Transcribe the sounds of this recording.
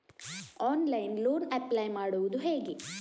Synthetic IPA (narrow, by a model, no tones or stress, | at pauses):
aːnlɐjnluːnɐplajmaːɽuʋud̪uɦe̞ːɡi